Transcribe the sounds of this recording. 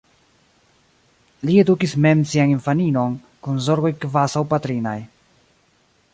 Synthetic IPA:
lie̞dukisme̞msianiɱfanino̞n | kunzoɾɡo̞jkvasawpat̪ɾinaj

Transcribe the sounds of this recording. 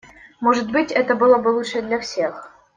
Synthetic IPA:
moʐət̪̚bɨtʲɛt̪əbɨlˠobəlˠutʂəd̪lʲafsʲex

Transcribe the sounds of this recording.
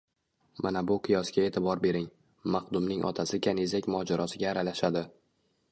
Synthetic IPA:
manabʊqʰɨjɒskʲae̞t̪ʰɪbɒɾbe̞ɾɪŋ | mɑqd̪ʊmnɪŋʔɒ̰t̪ʰasɪkʲʰanezakʲmɒd͡ʒaɾɒsɪɡʲaːɾalaʃad̪ɪ

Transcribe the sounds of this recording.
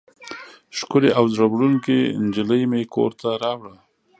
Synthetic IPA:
ʃkʊɾeʔawzɾabɽunkend͡ʒɪləjmeko̰ɾt̪aɾɑwɽə

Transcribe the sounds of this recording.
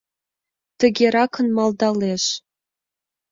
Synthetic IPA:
t̪ə̆ɡʲeɾɑkʰənmɑld̪ɑleʃ

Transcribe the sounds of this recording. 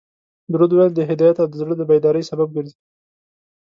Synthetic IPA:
d̪ɾod̪wajld̪əɦɪd̪ɑjat̪ad̪əzɽəd̪əbajd̪ɑɾəjsabab̚ɡəɾzi

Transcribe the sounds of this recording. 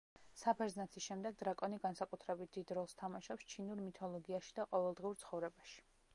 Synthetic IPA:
sapʰɛɾznat̪sʰisʃɛmd̪ɛɡ̚d̪ɾakʼɔniɡansakʼut̪ʰɾɛbit̪̚ʰd̪̥id̪ɾɔlˠst̪ʰamaʃɔpst͡ʃʰinuɾmit̪ʰɔlˠɔɡiaʃi̥d̪aqʼɔvɛlˠd̪ʁiuɾt̪sʰχɔvɾɛbaʃi̥

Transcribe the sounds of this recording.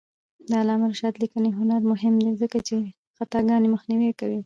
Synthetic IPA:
d̪ɑːlɑmaɾʃɑd̪likəneɦʊnaɾmʊɦɪmd̪ezəkat͡ʃe | xat̪ɑɡɑneməxniwekawi

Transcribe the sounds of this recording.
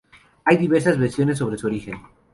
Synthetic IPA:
ajðiβeɾsazβeɾsjo̞ne̞sːo̞βɾe̞suoɾixe̞n

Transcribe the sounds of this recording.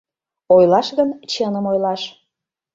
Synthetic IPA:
ojlˠɑʃɣənt͡ɕənə̆mojlɑʃ

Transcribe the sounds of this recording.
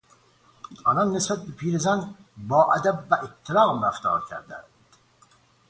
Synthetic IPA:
ʔɒːlɒnːesbæt̪̚bepʰiːɾezænbɒːʔæd̪æbːæʔet̪ʰːelɒːɣmɾæft̪ʰɒ̰ːɾcʰæ̰ɾd̪æ̰nd̪̥

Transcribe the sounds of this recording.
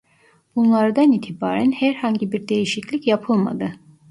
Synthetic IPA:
b̥unlˠaɾd̪aniːt̪ʰiba̰ːɾænhæɾhaɲɟibiɾd̪e̞jiʃiclʲicjapʰɯlˠma̰d̪ɯ

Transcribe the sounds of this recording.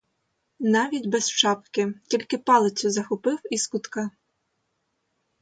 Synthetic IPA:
nɑʋʲidʲbɛzt͡ʃɑpkɪtʲilʲkɪpɑlˠɪt͡sʲʊzɐxɔpɪwiskʊt̪kɑ

